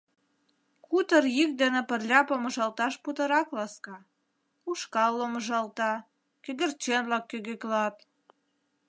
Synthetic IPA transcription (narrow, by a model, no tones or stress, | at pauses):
kut̪ərjik̚d̪ĕnĕpərlʲɑpomə̆ʒɑlt̪ɑʃput̪ə̆ɾɑklɑskɑ | uʃkɑlːoməʒɑlt̪ɑ | kød̪ə̆rt͡ɕenlɑkːøɣeklɑt̪̚